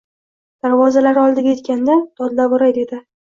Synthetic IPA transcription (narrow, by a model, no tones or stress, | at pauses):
d̪̥aɾvɒzalaɾɪɒlˠd̪ɪɡʲaje̞t̪kʲand̪at̪ʰɒd̪labʊɾajd̪e̞d̪ɪ